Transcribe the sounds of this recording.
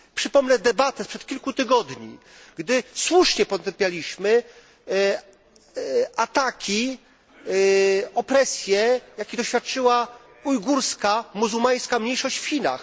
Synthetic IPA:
pʂɘpɔmnɛd̪ɛbat̪ɛspʂɛt̪̚kʲilkut̪ɘɡɔd̪ɲḭ | ɡd̪ɘswuʂɲɛpɔt̪ɛmpʲjalʲiɕmɘ | at̪akʲi | ɔpɾɛsʲjɛjakʲid̪ɔɕfʲjat̪̚t͡ʂɘwa | ujɡuɾskamuzumaj̃skamɲejʂɔɕt͡ɕfxʲina̰x

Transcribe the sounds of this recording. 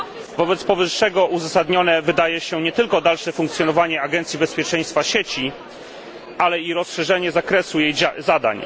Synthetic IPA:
vɔbɛt̪spɔvɘʂːɛɡɔʔuzasad̪ɲɔnɛvɘd̪ajɛɕɛɲɛt̪ɘlkɔd̪alʂɛfuŋkt̪sʲjɔnɔvaɲɛaɡɛnt̪sʲjibɛspʲjɛt͡ʂɛ̃j̃st̪faɕet͡ɕi | ʔalɛiɾɔsʂɛʐɛɲɛzakɾɛsujejzad̪a̰ɲ

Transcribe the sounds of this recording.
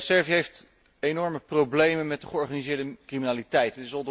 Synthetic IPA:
sɛɹviɦejft | enɔɹməprowblejmənmɛt̚dəχəɔɹχaːnizɪːɹdəkriminaːlitɛjtətɪsɔnd

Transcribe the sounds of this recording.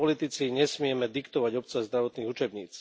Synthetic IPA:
ɔlit̪it͡siɲɛsmɪɛmɛd̪ikt̪ɔʋaɟɔp̚t͡sazd̪ɾaʋɔt̪niːɣut͡ʃɛbɲḭːt͡s

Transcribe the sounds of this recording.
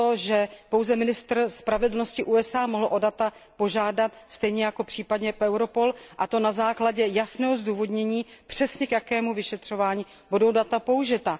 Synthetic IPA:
oʒɛpo̞wzɛmɪnɪst̪r̩spɾavɛdl̩no̞scɪʔuːɛsʔaːmoɦl̩ʔo̞dat̪apo̞ʒaːdat̪st̪ɛjɲɛjako̞pr̥iːpadɲɛʔɛwɾo̞po̞lʔat̪o̞nazaːklaɟɛjasnɛːɦo̞zduːvo̞dɲɛɲiːpr̝̥ɛsɲɛkjakɛːmuvɪʃɛt̪r̝̥o̞vaːɲiː | budowdat̪apouʒɪt̪a

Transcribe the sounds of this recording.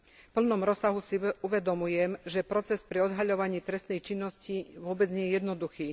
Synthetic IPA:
pl̩nɔmɾɔsaɦusiuʋɛd̪ɔmujɛmʒɛpɾɔt͡sɛspɾiɔd̪ɦaʎɔʋaɲiːt̪ɾɛst̪nɛjt͡ʃinːɔsciʋʊɔbɛd͡zɲɪɛjɛjɛd̪nɔd̪uxiː

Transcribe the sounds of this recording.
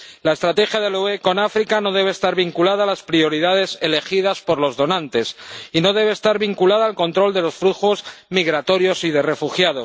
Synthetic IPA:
lae̞st̪ɾat̪e̞xjaðe̞lue̞ko̞nafɾikano̞ð̞e̞β̞eːst̪aɾβiŋkulaðaːlaspɾio̞ɾiðað̞e̞se̞le̞xið̞aspo̞ɾlo̞zðo̞nãnt̪e̞sino̞ðe̞β̞e̞ːst̪aɾβiŋkulað̞aːlko̞nt̪ɾo̞ld̪e̞lo̞sfɾuxo̞zmiɣɾat̪o̞ɾjo̞siðe̞re̞fuxjaðo̞s

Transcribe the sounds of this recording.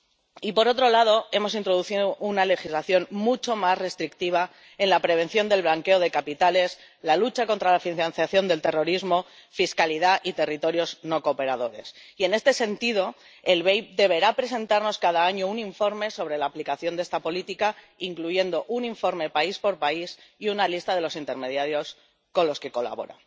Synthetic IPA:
ipo̞ɾo̞t̪ɾo̞lað̞o̞e̞mo̞sint̪ɾo̞ðuθiðoʔunale̞xizlaθjo̞nmut͡ʃo̞masre̞st̪ɾikt̪iβ̞a | e̞nlapɾe̞β̞e̞nθjo̞nd̪e̞lβlaŋke̞oð̞e̞kapit̪ale̞s | lalut͡ʃako̞nt̪ɾalafinãnθjaθjo̞nd̪e̞lt̪e̞ro̞ɾizmo̞ | fiskaliðaʔit̪e̞rit̪o̞ɾjo̞zno̞kope̞ɾaðo̞ɾe̞̰sie̞ne̞st̪e̞se̞nt̪ið̞o̞ | e̞lβe̞jd̪e̞β̞e̞ɾapɾe̞se̞nt̪aɾno̞skað̞aaɲo̞uniɱfo̞ɾme̞so̞β̞ɾe̞laːplikaθjo̞nd̪e̞st̪apo̞lit̪ika | iŋkluʝe̞nd̪o̞ʔuniɱfo̞ɾme̞paispo̞ɾpaisiunalist̪aðe̞lo̞sint̪e̞ɾme̞ðjaɾjo̞s | ko̞nlo̞ske̞ko̞la̰βo̞̰ɾa̰

